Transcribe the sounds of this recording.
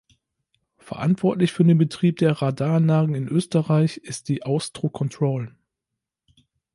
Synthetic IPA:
fɛɐʔa̰ntv̥ɔɐtlɪçfyːɐdeːnbətʁ̥iːp̚d̥eːɐʁadaːɐnlaːɡŋ̩ɪnʔøːstəʁaɪçɪst̚d̥iːʔaʊstʁ̥okʰɔntʁ̥oːl

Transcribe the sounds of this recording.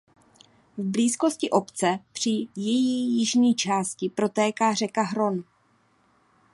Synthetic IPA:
vbliːsko̞scɪʔo̞pt͡sɛpr̝̥ɪjɛjiːjɪʒɲiːt͡ʃaːscɪpɾo̞t̪ɛːkaːr̝ɛkaɦɾo̞n

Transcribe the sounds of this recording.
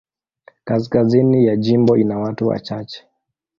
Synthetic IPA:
kas̬kazinijaʄimbɔinawatuwa̰t͡ʃat͡ʃɛ̥

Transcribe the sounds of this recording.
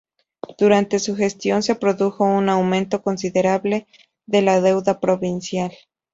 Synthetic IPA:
d̪̥uɾant̪e̞suxe̞st̪jo̞nse̞pɾo̞ðuxo̞unawmẽ̞nt̪o̞ko̞nsiðe̞ɾaβle̞ | ðe̞laðe̞wðapɾo̞βinsjal

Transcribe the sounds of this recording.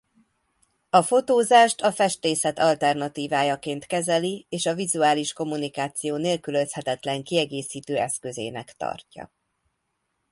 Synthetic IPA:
ɒfo̞t̪oːzaːʃt̪ɒfɛʃt̪eːsɛt̪ɒlt̪ɛrnɒt̪iːvaːjɒkeːnt̪kɛzɛlieːʃɒvizuaːliʃko̞mːunikaːt̪sijoːneːlkyløshɛt̪ɛt̪lɛŋkiɛɡeːsiːt̪øːɛskø̞zḛːnɛkt̪ɒ̰rcɒ̰

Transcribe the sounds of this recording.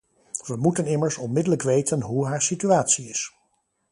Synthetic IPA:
ʋəmutənɪməɹsɔnmɪdələkʋejtənɦuɦaːɹsityaːtsiɪs

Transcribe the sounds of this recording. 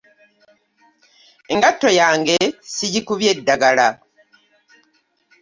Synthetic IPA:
e̞ŋɡatːo̞jaːŋɡe̞sijikuβje̞dːaɡala

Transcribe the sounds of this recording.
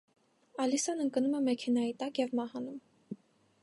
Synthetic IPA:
ɑlisɑnəŋkənumɛmɛkʰɛnɑjit̪ɑkjɛvmɑhɑnum

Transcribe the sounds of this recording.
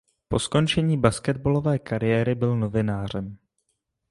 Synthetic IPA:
po̞sko̞nt͡ʃɛɲiːbaskɛd̪̚bolo̞vɛːkaɾɪjɛːɾɪbɪlno̞vɪnaːr̝ɛm

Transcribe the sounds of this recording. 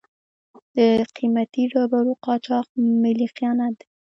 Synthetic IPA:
d̪̥əqʰimat̪iɖɑbaɾuqɑt͡ʃɑq̚mɪliqjɑnad̪

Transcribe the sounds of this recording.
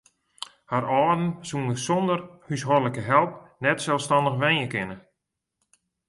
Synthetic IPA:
haɾɔːdn̩sunəsɔndərhysɦɔrləkəɦɛlˠp̚nɛtsɛlˠfstɑndəxʋɛnəkɪnə

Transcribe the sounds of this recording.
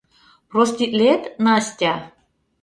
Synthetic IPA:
prosʲt̪ʲit̪lʲet̪nɑsʲtʲa

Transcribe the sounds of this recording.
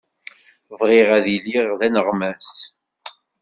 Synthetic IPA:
vʁɪʁæðilːiʁðænəʁmæs

